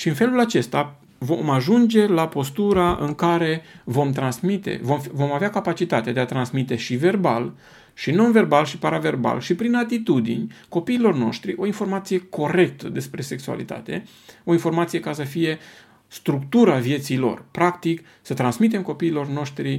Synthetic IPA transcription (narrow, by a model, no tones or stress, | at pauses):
ʃiɨnfe̞lulat͡ʃe̞st̪a | vo̞maʒund͡ʒe̞lapo̞st̪uɾaʔɨŋkaɾe̞vo̞mt̪ɾansmit̪e̞̰vo̞mfvo̞maveakapat͡ʃit̪at̪ead̪e̞at̪ɾansmit̪e̞ʃive̞rbal | ʃino̞nve̞rbalʃipaɾave̞rba̰lʃipɾinat̪it̪ud̪ḭnʲko̞piːlo̞rno̞̰ʃt̪ɾiʔo̞info̞rmat̪sije̞kʰo̞ɾe̞k̚t̪əd̪e̞spɾe̞se̞ksua̰lḭt̪a̰t̪e̞̰ | o̞info̞rmat̪sije̞kasəfije̞ | st̪ɾukt̪uɾavje̞t̪silo̞̰rpɾakt̪ik | sət̪ɾansmit̪e̞mko̞piːlo̞rno̞ʃt̪ɾi